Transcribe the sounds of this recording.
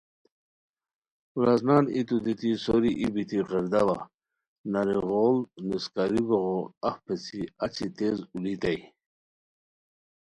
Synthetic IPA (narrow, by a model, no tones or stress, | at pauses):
uɾaznaːnḭt̪ud̪it̪isoɾiʔibit̪iqəɾd̪ava | naɾiʁolniskaɾiboɣoaxpet͡sʰiat͡ɕit̪ezulit̪aj